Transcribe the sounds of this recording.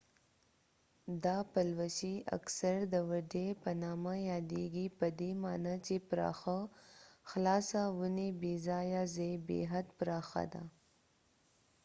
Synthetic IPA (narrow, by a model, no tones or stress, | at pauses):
d̪ɑpalwaʃia̰ksaɾd̪əwaɖepənɑmajɑːd̪eɡipəd̪emɑnat͡ʃepɾɑ̰xa | xlɑsawunebezɑjazebḛɦad̪pɾɑxa̰d̪a̰